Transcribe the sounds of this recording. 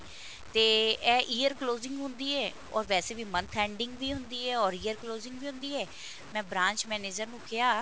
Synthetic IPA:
t̪eːɛːʔiːəɾkloːzɪ̃ŋɡɦʊ̃nd̪iːɛː | ɔ̰ːɾʋɛːseːʋiːmənt̪ʰɛ̃ːɳɖɪŋɡʋiːɦʊnd̪iːɛːɔːɾiːəɾkloːzɪ̃ŋɡʋiːɦʊ̃nd̪iːɛː | mɛ̃ːbɾãːɲt͡ʃmɛːneːd͡ʒəɾnũːkɪaː

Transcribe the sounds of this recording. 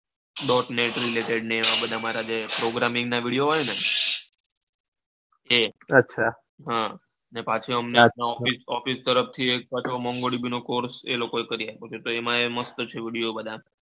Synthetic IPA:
ɖɔʈneʈɾileʈeɽneːʋãbəd̪ʱamaɾad͡ʒepɾoɡɾamĩŋɡnaʋiɽijoɦojne | eətːʃʰa | ɦã | nepat͡ʃʰeəmneap̚naɔfisɔfist̪əɾəft̪ʰiek̚pat͡ʃʰomɔŋɡoɽibʱinokoɾsḛlokoekəɾiapot͡ʃʰet̪oemãeməst̪ət͡ʃʰeʋiɽijobəd̪ʱa

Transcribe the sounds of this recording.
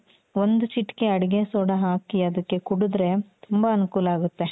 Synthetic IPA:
ʋond̪ut͡ʃiʈːkeɐɽiɡesoːɽɐɦaːkiɐd̪ɐkːe̞kuɽud̪ɾe̞t̪umbɐɐnukuːlaːɡut̪ːe̞

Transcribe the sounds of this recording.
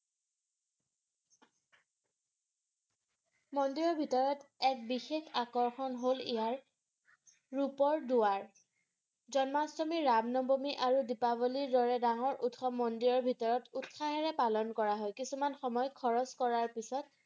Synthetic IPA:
mɔndiɹɔɹbʱitɔɹɔtɛk̚bixexakɔɹxɔnɦolḭjaɹ | ɹupɔɹduwaɹ | zɔnmasɔmiɹabnɔbomiʔaɹudipabɔliɹdɔɹɛdaŋɔɹʔutxɔmːɔndiɹɔɹbʱitɔɹɔtutxaɦɛɹɛpalɔnkɔɹaɦɔjkisumanxɔmɔjkʰɔɹɔskɔɹaɹpisɔt̚

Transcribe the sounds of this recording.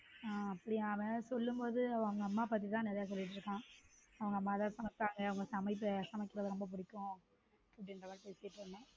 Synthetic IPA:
aːɐpːɐɽɪjaːʋɐsɔlːɯmpoːðɯɐʋɐ̃ɐʋɐŋɡɐɐmːaːpaːt̪̬ːit̪ãːnɛɾɐjaːs̬ɔlːɪʈːɯɾɯkːãː | ɐʋɐŋɡɐmːaːt̪ãːsɐmɐt̪ːaːŋɡɐɐʋɐŋɡɐsɐmɐɪp̬ːɯsɐmɐkːɪɾɐðɐɾɔmbɐp̬ʊɽɪkːʊ̃ | ɐpːɐɽɪndɾɐʋɐːlpeːsɪjɐpːɐɳːɐ̃

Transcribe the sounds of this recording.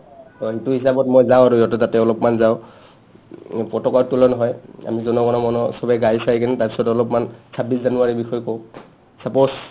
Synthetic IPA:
ɔɦituɦisabɔtmɔjzaw̃aɹujɔtɔtatɛɔlɔpmanzaʊ | pɹɔtɔkɔɹtulɔnɔɦɔja̰mizɔnɔɡɔnɔmɔnɔsɔbajɡajsajkanitaɹpisɔtɔlɔpmansabiszanuaɹibixɔjkɔʊ | sapɔs

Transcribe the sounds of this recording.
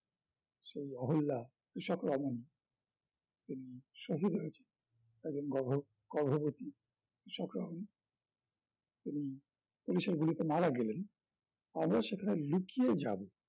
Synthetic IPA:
ʃejɔɦolːa | kɾiʃɔkɾɔmoni | t̪iniʃoɦid̪ʱɦojet͡ɕʰe̥n | eɡd͡ʑonɡɔbʱo | ɡɔɾbʱobot̪i | kɾiʃɔkɾɔ̰moni | t̪ini | puliʃeɾɡulit̪emaɾaɡelen | amɾaʃekʰanelukijed͡ʑa̰be

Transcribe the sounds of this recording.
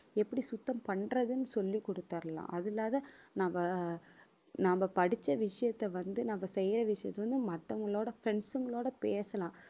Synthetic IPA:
ɛpːɐɽisʊt̪ːɐmpɐɳɾɐðɯnːɯsɔlːikːɔɽɯt̪ːaːɾɐlã̰ːʔɐðɪlaːðɐnambɐ | namɐpɐɽɪt͡ʃːɐʋɪʂɐjɐt̪ːɛʋɐnd̪ɯnɐmbɐsɛjɾɐʋɪʂɐjɐ̰t̪ːɛʋɐnd̪ɯmɐt̪ːɐŋɡɐɭoːɽɐfɪɾɛɳsɯŋɡɐɭoːɽɐpeːsɐlãː

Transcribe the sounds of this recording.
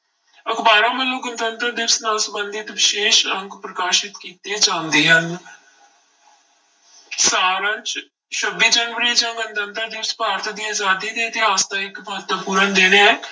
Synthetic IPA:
əkʰbaːɾãːmə̃ːloɡənd̪ənt̪əɾd̪ɪsnãːsəbənd̪ɪt̪ʋɪʃeːʃə̃ŋɡpɾəkaːʃɪt̪kiːt̪ed͡ʒãːnd̪iːɦən | saːɾãt͡ʃ | ʃʰəbiːd͡ʒənʋəɾiːd͡ʒãːɡənd̪ənt̪əɾd̪ɪːɾspaːɾt̪ʰd̪iːaːzaːd̪iːd̪eːt̪ɪɦaːst̪ãːɪkbəɦət̪əʋpuːɾənd̪eːneːɛː

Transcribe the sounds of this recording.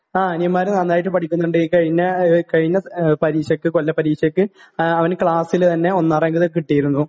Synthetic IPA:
aːɐnjɐmːaːɾɨnɐnːaːjiʈ̬ːɨpɐʈʰikʲːunːuɳɖɨkɐɻiɲːɐkɐɻiɲːɐpɐɾiːɕɐkːɨkolːɐpɐɾiːɕɐkːɨɐʋɐnkɭaːsilt̪ɐnːe̞o̞nːaːreŋɡiðekːɨkiʈːijiɾunːu

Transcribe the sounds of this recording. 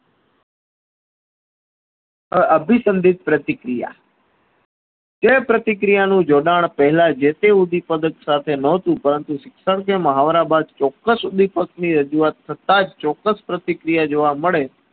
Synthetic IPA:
əəbʱisənd̪it̪̚pɾət̪ɪkɾija̰ | t̪epɾət̪ɪk̬ɾijanũd͡ʒoɖaɳ̃pəɦɛlad͡ʒet̪eud̪ipəd̪əksat̪ʰenəɦt̪ũpəɾənt̪uʃɪksəɽk̬eməɦaʋɾabad̪̚t͡ʃɔkːəsud̪ipəkniɾəd͡ʒuat̪ʰːət̪ad͡ʒt͡ʃɔkːəspɾət̪ɪkɾijad͡ʒoʋaməɭe

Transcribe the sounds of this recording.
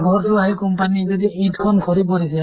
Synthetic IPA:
ɡʱɔɹtʊaɦikɔmpanizɔdiitkʰɔnkʰɔɹip̬ɔɹisɛ

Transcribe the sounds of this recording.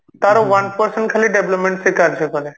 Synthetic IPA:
t̪aɾoʋɐnpəɾsəɳʈkʰaliɖebləpmẽɳʈsekaɾd͡ʒekɐɾe

